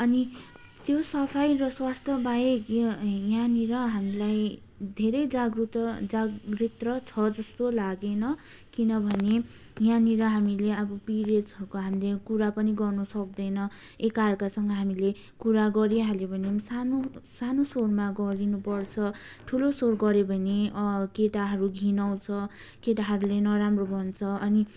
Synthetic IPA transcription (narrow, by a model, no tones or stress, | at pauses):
ʌni | t̪josʌpʰajrʌswast̪ʰʌbaekijaniɾʌɦamilaj | d̪ʱeɾʌjd͡zaɡrut̪d͡zaɡɡrit̪rʌt͡sʰʌd͡zʌst̪olaɡenʌkinʌbʱʌne | janiɾʌɦamileʌbʌpiɾed͡zʌkoɦamilekuɾapʌniɡʌrnʌsʌk̚d̪ʌjnʌ | ekarkasʌŋɡʌɦamile | kuɾaɡʌɾiɦalebʱʌnemsanosanosormaɡʌɾinupʌrt͡sʰʌʈʰulosorɡʌɾebʱʌnekeʈaɦʌɾuɡʱinʌw̃t͡sʰʌkeʈaɦʌɾulenʌɾamrobʱʌnt͡sʰʌʌni